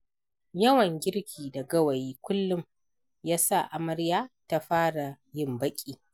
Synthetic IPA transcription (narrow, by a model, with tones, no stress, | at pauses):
jɐ˦wɐ˨ŋɡʲɪ˦ɾkʲʰiː˨da˨ɡɐ˦wɐ˨jiː˦kʷʊ˦lːʊ˦˨m | jaː˦sa˦˨ʔa˨mɐ˦ɾjaː˦ta˦ɸaː˦ɽa˨ | jɪ˦˨mbɐ˦kʲʼiː˨